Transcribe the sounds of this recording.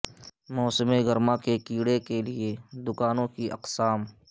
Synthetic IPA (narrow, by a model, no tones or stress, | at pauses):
mɔːsɪmeɡəɾmãkekiːɽekelied̪ʊkaːnõkiʔɐ̰qsaːm